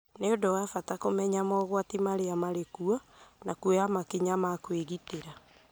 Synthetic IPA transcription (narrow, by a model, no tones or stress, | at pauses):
neodowafatakomɛɲamɔɣwatimaɾeamaɾekuɔnakueamakeɲamakweɣiteɾa